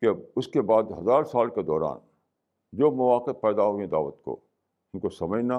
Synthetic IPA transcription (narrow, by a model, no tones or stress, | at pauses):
keɐbʊskebaːd̪ɦɐzaːɾsaːlked̪ɔːɾa̰ːn | d͡ʒoːmʊʋaːqɪt̚pɛːd̪aɦoːɡəẽd̪a̰ːʋət̪ko̰ː | ɪnkosɐməd͡ʒna